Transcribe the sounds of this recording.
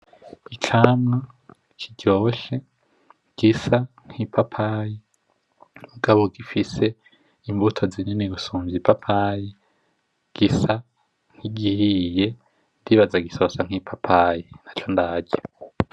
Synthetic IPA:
it͡ʃʰamŋa | kʰiɟoːβoʃe̞ | ɡ̥isa | ŋ̥hipʰapʰaji | muɡaβoɡifise̞ | imbutʰo̞zineniɡusuːmvipʰapʰaji | ɡ̥isa | ŋ̥iɡihije | ndiβazaɡisosaŋ̥ipʰapʰajinat͡ʃondaːɟe

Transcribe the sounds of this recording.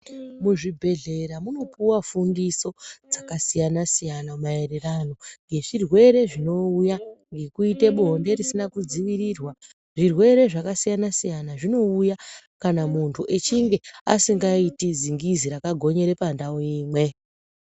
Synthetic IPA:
muʐibʱe̞ɮe̞ɾamuno̞puwafundiso̞d͡zakasijanasijanamaererano̞ŋɡe̞ʐirwe̞ɾe̞ʐino̞ujaŋɡe̞kuite̞ɓuɦonde̞risinakud͡ziʋiɾirwa | ʐirwe̞ɾe̞ʐakasijanasijanaʐino̞ujakanamuntʰuʔe̞t͡ʃiŋɡe̞a̰siŋɡaitid͡ziŋɡiziɾakaɡʱo̞ɲe̞ɾe̞pandaoiːmwe̞

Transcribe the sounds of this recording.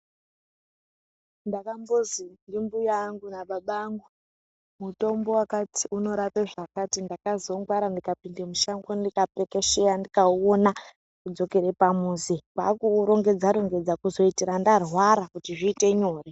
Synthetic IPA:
ndakambozindimbujaŋɡunaɓaɓaːŋɡu | muto̞mbo̞wakati̥uno̞ɾapeʐakatindakazoŋɡwaɾandikapindemuʃaŋɡondikapekeʃejandikaona | kud͡zo̞ke̞ɾe̞pamuːzikwa̰ːkuɾo̞ŋɡe̞d͡zaɾo̞ŋɡe̞d͡zakuzo̞itiɾandarwaɾakutiʐiːte̞ɲo̞ːre

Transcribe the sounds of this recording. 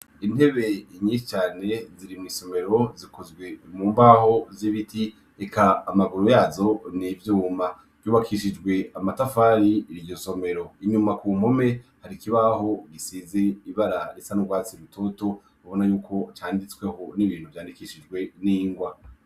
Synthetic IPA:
in̥e̞βe̞ɲiːʃi̥t͡ʃaːne̞ziɾimŋiːso̞me̞ɾo̞zikʰozɡwe̞muːmbaho̞ziβitʰi | ekʰaːmaɡuɾojaːzo̞nivjuːma | v̥juːβakʰiʃid͡ʒɡwe̞amatafaɾiɾijo̞so̞me̞ɾo̞iɲumakuːm̥ome̞haɾikiβaho̞ɡisize̞iβaɾaɾet͡sanuɡwaːt͡siɾutʰo̞to̞ | uβo̞najuːkʰo̞t͡ʃaːndit͡swe̞ho̞niβiːn̥huvjaːndikiʃid͡ʒɡwe̞niːŋɡwa

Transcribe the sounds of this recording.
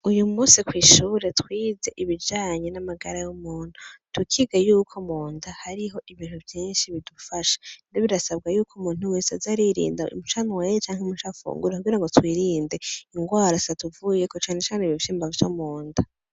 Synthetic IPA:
ujumusikwiːʃuːɾe̞twiːze̞ʔiβid͡ʒaːɲe̞namaɡaɾajumuːn̥utukʰiɡajuːkʰomuːndahaɾiɦo̞ʔiβin̥huvjiːnʃiβidufaʃḁndoβiɾasab̚ɡajuːkʰumuːn̥huweːsazaɾiɾḭːndaṵmuʃanwejet͡ʃaːŋhemuʃafṵːŋɡuɾekuɡiɾaŋɡotwiːɾiːnde̞iŋɡwaːɾasatuvujekot͡ʃaːne̞t͡ʃaːneβivʃiːmbavut͡ʃomuːnda

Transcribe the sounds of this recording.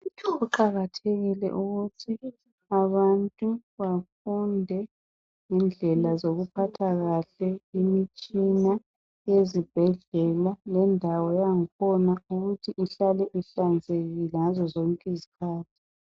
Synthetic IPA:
utʰɔuǃaɣatʰeɣilɛ̰ʔuɣutʰi | aβantʼuβafundʱɛ | ŋɛnd͡ɮʱɛlazoɣupʰatʰaɣaɬɛimit͡ʃʼina | jezib̥ʱɛɮɛlalɛndʱawɔjaŋikʰɔnauɣutʰiʔiɬalɛʔiɬand͡zʱeɣiazɔzɔŋkʼizikʰaːtʰi̥

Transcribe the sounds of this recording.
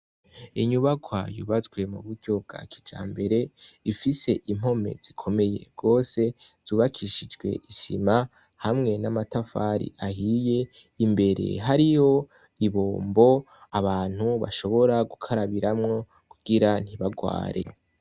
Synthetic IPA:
iɲuβakwajṵβat͡sɡwe̞muβudɟo̞bɡ̥a̰kʰi̥d͡ʒa̰ːmbe̞ɾe̞ifise̞ʔim̥ɦo̞me̞̰z̥ikʰo̞me̞je̞̰ɡ̥o̞ːse̞z̥uːβakʰiʃid͡ʒɡwe̞̰ʔisḭma | hamŋe̞namatafaɾḭʔaɦije̞imbe̞ɾe̞̰ɦaɾiho̞ | iβoːmbo̞ | aβaːn̥huβa̰ʃo̞βo̞ɾaɡukʰaɾaβiɾamŋo̞ | kuɡ̥iɾan̥iβaɡwa̰ːɾʔḛ

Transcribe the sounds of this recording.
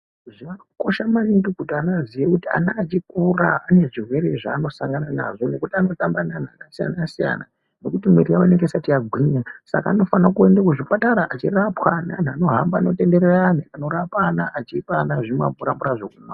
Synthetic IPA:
ʐiʋaoko̞ʃamariŋɡikutianazijekutia̰naːt͡ʃikuraane̞ʐirwe̞ɾeʐaːno̞sa̰ŋɡanana̰ʐo̞no̞kutiano̞tambanan̤anasija̰nasija̰na̰ | no̞kutimirijawaneŋɡesatiaɡʱwiɲasa̰ka̰ːno̞fanakue̞ndakuʐipataɾaʔat͡ʃirapwanan̤ano̞ɦambaːno̞te̞nde̞ɾeraniano̞ɾapaːnaʔat͡ʃiːpanaʐimwea̰mpuɾambuɾaʐokunak

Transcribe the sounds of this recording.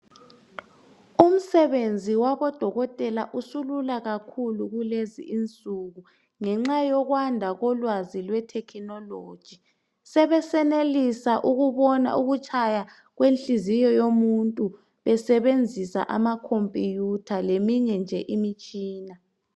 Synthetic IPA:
um̩sɛβend͡zʱiwaβɔd̥ʱɔɣɔtʼɛlaʔusululaɣakʰuluɣulezḭʔint͡sʼuɣu | ŋɛŋ͡ǁajɔɣwandʱaɣɔlwazilwɛtʰɛkʰinɔloːd̥ʒ̥ʱi | sɛβɛsɛnelisaʔuɣuβɔna̰ʔuɣut͡ʃʼaja | ɣwenɬʼizijɔjomuntʼu | βɛsɛβend͡zʱisa̰ʔamakʰompʼijutʰalemiɲɛnd͡ʒʱɛʔimit͡ʃʼiːna

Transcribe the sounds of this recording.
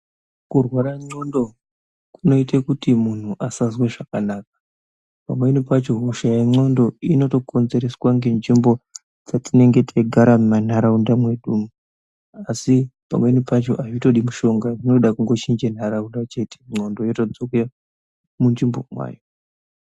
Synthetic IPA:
kurwaɾaŋ͡ǀo̞ndo̞ | kuno̞itekutimun̤uʔasazwe̞ʐakanaːk̚ḁ | pamwe̞nipat͡ʃo̞ɦuʃajaŋ͡ǀo̞ndo̞ino̞to̞ko̞nze̞ɾe̞swaŋɡe̞nd͡ʒimbo̞ | d͡zatine̞ŋɡe̞tʰeɡʱaɾamman̤aɾaundamwe̞ɗumu | asipa̰mwe̞nipat͡ʃo̞̰ʔaʐito̞ɗimuʃo̞ŋɡarinoɗakuŋɡo̞t͡ʃind͡ʒen̤aɾaundat͡ʃe̞te̥ŋ͡ǀo̞ndo̞jotod͡zoke | mund͡ʒimbo̞mwa̰ːjo

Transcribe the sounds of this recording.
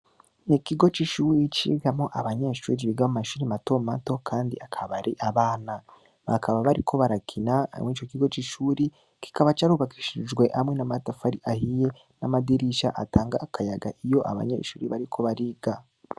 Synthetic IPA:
nikiɡo̞t͡ʃiʃuːɾit͡ʃḭɡamŋoʔaβaɲe̞ʃṵːɾiβiɡamumaʃuːɾimato̞mato̞kʰaːndḭakʰaβaɾiʔaβaːna | βakʰaβaβaɾikʰo̞βaɾakʰina̰mŋiːt͡ʃo̞kiɡo̞t͡ʃiʃuːɾi | ki̥kaβat͡ʃaɾuβakiʃid͡ʒɡwe̞ʔamŋe̞namatafaɾiʔahije̞ | namadiɾiʃaʔataːŋɡaːkʰajaɡaʔijo̞ʔa̰βa̰ɲḛːʃṵːɾiβaɾikʰo̞βaɾiɡa

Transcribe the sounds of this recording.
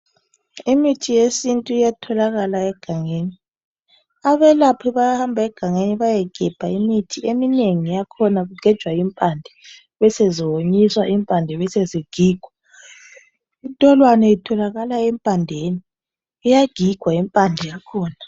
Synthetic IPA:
imitʰijesintʼuijatʰɔlaɣalaɛɡ̥ʱaŋeːni | aβɛlapʰɔβajahambʱaɛɡ̥ʱaŋeniβajɛɡ̥ʱɛb̥ʱaimitʰiemineŋijakʰɔnaɣuɡ̥ʱɛd̥ʒ̥ʱwaimpʼandʱɛ | βɛseziwoɲiswaʔimpʼandʱɛβɛseziɡ̥ʱiːɡ̥ʱwa | itʼɔlwanɛitʰɔlaɣalaɛmpʼandʱeːniː | jaɡ̥ʱiɡ̥ʱwaimpʼandʱɛjakʰɔːna

